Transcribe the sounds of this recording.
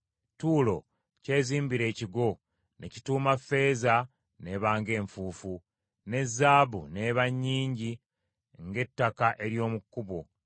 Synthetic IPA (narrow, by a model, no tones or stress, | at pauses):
tuːlo̞̰ | ce̞ːziːmbiɾe̞ːciɡo̞ | ne̞̰ci̥tuːmafe̞ːza | ne̞ːβaːŋɡe̞ːɱfuːfu | ne̞zːaːβune̞βaɲːiːɲɟi | ŋɡe̞tːakaʔe̞ɾjo̞ːmukːuβo̞